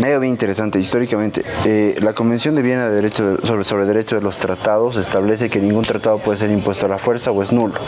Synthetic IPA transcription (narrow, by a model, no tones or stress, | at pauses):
mejoβeint̪eɾe̞sant̪eist̪o̞ɾikamẽnt̪e̞̰elako̞mbe̞nsjond̪eβje̞naðeðeɾet͡ʃoðoso̞βɾe̞lðe̞ɾe̞t͡ʃo̞ðelo̞st̪ɾat̪aðo̞se̞st̪aβle̞s̬e̞keniŋɡunt̪ɾat̪aðopweðes̬e̞ɾimpwe̞st̪oalafwe̞ɾsaoe̞znulo